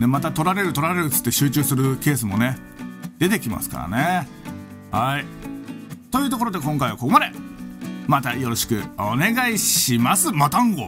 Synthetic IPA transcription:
nemat̪at̪o̞ɾaɾe̞ɾɯ̟t̪o̞ɾaɾe̞ɾɯt͡sɨ̥t̪ːe̞ɕɨːt͡ɕɨːsɨɾɯ̟ke̞ːs̬ɨmo̞ne̞ | d̪̥e̞t̪e̞kʲima̰sɨ̥ka̰ɾa̰ne | hai | t̪o̞jɯ̟ːt̪o̞k̬oɾo̞d̪e̞kõ̞ŋkaiβa̰ko̞ko̞mad̪e̞ | mat̪ajo̞ɾo̞ɕi̥kɯ̟̰o̞ne̞ɡaiɕimasɨmat̪ãŋɡo̞

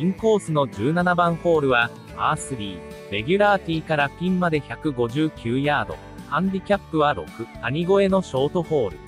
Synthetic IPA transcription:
ĩŋko̞ːsɨno̞d͡ʑɨːnanabãɰ̃ho̞ːɾɯ̟βa | aːsɨɾʲiː | ɾe̞ɡʲɯɾaːt̪ʲiːkaɾakʲĩmmad̪e̞çakɯ̟ɡo̞ʑɨːkʲɨːjaːd̪o̞̰ | hãnd̪ʲikʲapːɯ̟βaɾo̞̰kɯ̟taɲ̟iɡo̞e̞no̞ɕo̞ːt̪o̞ho̞ːɾɯ̟

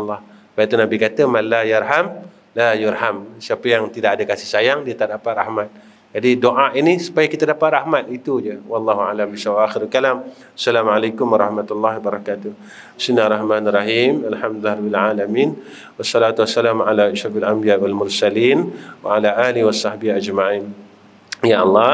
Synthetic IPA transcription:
lːɑh | bait̪unabikat̪əmalːajarɦam | lajʊrhamsiapəjaŋt̪idaʔadakasɪhsajaŋdiat̪aʔdapat̪ra̰hmat̪̚ | d͡ʒadidoʔaʔinisu̥pajakit̪adapat̪̚rahmat̪̚it̪ud͡ʒəwɑlːɑɦua̰lambisawʔaxɪɾalkalam | ḁsːalamʕalajkʊmwɑɾˤɑhmat̪alˤːɑhwabaɾˤɑkat̪ʊh | bi̥sminːaarːˤɑhmanrˤɑɦimalħamd̪lahɾabɪlʕalamin | wasːɑlat̪uwasːalamʕalaɪʃɾafalʔambijawalmʊrsalinwa̰alaʔaːliwasˤɑhbiad͡ʒmaʕiːn | jaʔɑlˤːɑ

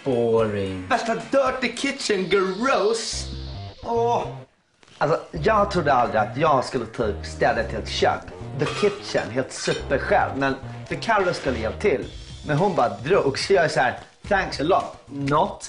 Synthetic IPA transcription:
b̥oːɾɪvɛst̪ad̪œːʈ̚əkʰɪt̪ʃənɡəɹos | ɔ | als̬ɔjɑːɡ̚t̪ʰɾʊd̪ːəald̪ɾɪat̪jɑːɡskɵlːət̪ʰyːpst̪ɛd̪at̪ʰɪlɛt̪ɕø̰ːkðəkʰɪt̪ʃə̰nɦeːlt̪sʉ̟ːpəɾɧɛ̰lvmɛnfœɾkʰaɾlɔskɵlːəjevat̪ʰɪlmɛnɦʊnbɑːɾad̪ɾuːksɔjɑːɛsæːɾ | θæŋksəlɔt̪ | nɔt̪

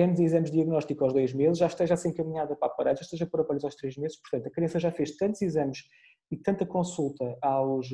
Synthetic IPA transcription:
nzizɐmʒd̪iɐɣnɔʃt̪ikuawʒðojʒmezʃʒaʃt̪ɐʒasẽj̃kɐmiɲaðɐpapɐɾaʒaʃt̪ɐʒɐpoɾɐpɔʎuzawʃt̪ɾeʒmezʃpʊɾt̪ɐ̃nt̪ɐkɾɐ̃sɐʒafeʃt̪ɐ̃nt̪z̥izɐmʃ | it̪ɐ̃nt̪ɐkõsulˠt̪ɐawʃ

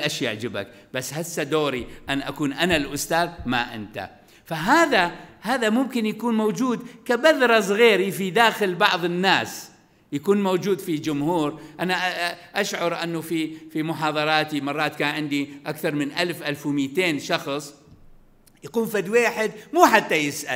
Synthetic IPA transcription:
ʔaʃjaʕd͡ʒɪba̰k | b̥asːhasːad̪oːɾiʔanʔakuːnʔanalʔʊst̪aːðma̰ʔɪnt̪a̰ | faɦaːðahaːðamʊmkɪnjakuːnmowd͡ʒuːd̪kabaðɾˤɑs̬ˤɣiːɾifid̪aːxɪlbɑʕðˤɪnːaːs | jakuːnmowd͡ʒuːd̪fid͡ʒʊmhuːɾʔanaʔʔaʃʕɑɾˤʔanːufifimʊħɑːðˤɑɾˤɑːt̪imɑrˤːɑːt̪kaːnʕɪnd̪iʔakθɑɾˤmɪnʔalfʔalfwmiːt̪eːnʃɑxsˤ | jakuːmfad̪weːħɪd̪muːħat̪ːajɪsʔa

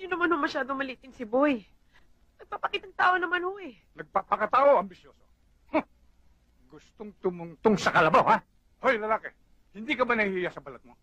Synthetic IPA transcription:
jʊnːɐmanhomɐʃaːd̪oŋmɐliːt̪ɪnsɪboj | nɐɡ̚paːpɐkiːt̪ɐŋt̪aːʔonɐmanho̞ʔɛ | nɐɡ̚papɐkɐt̪aːʔo̞ʔɐmbɪsjoːso | ho | ɡʊst̪oŋt̪omʊŋt̪oŋsɐkɐlɐbawha | ʔojlɐlaːkɛ | hɪnd̪ikɐbanɐhhɪjasɐbɐlat̪̚mo

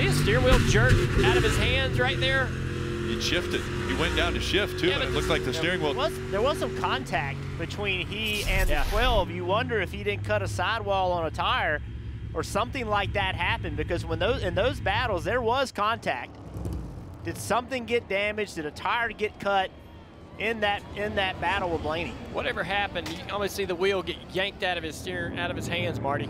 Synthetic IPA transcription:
ɨstɪɹwɪlˠd͡ʒɜ˞kaʊɾʌv̥ɨz̥hæ̃ndzɹaɪt̪̚ðə˞ | ɨd̥ʃɪftɨd̥̚hiwɛ̃nd̥ãʊ̃ntʰɨʃɪftʰʉtʊtˡlaɪk̚ðɨsɪɹɪ̃ŋwɪlˠwʌzðə˞wʌz̥sʌ̃mkʰɑ̃ntʰæk̚t̚b̥ɨtʰw̥ĩniɨ̃nwɛlˠvjɨwʌ̃ndə˞ɨfhidɪdⁿn̩kʰʌɾəsaɪd̚wɔlˠə̃nətʰaɪə˞ | ʔə˞sʌ̃mθɪ̃ŋlaɪk̚ðɨt̚hæpɨ̃nbɨkʌzwə̃nðoʊzɨ̃nðoʊzbæɾl̩ˠzðə˞wʌz̥kʰɑ̃ntʰæk̚t̚ | d̥ɨd̥sʌ̃mθɪ̃ŋɡɛt̚d̥æmɨd͡ʒdɨɾɨtʰaɪə˞ɡɛt̚kʰʌɾ | ʔɪ̃nðɨt̚ɪ̃nðɨt̚b̥æɾl̩ˠəblẽɪ̃ñɪ̰̃ŋwʔʌ̰ɾɛvə˞ɦæpɨ̃nɨɔmisiðəwilˠɡɛt̚jæ̃ŋk̚taʊɾʌv̥ɨz̥tɪa̰ʊɾʌv̥ɨz̥hæ̃ndzmɑɹɾi

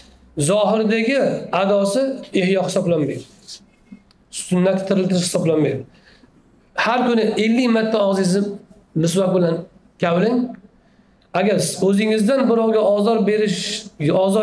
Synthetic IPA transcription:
zɒɦɪɾd̪aɡʲɪad̪ɒsɪehjɒhɪsɒblanmaj | sʊnːat̪ɪt̪ʰːɪɾɪlt̪ʰɪɾɪʃhɪ̥sɒblanmajd̪ɪ | haɾkʊnɪʔelːɪkʲmat̪ʰːaɒʁzɪzɪ | mɪswak̚bɪlan | kʲʰawlɪŋ | aɡʲaɾɵzɪŋɪzd̪anbɪɾɒwɡʲaɒɒɾbeɾɪʃɒzɒ

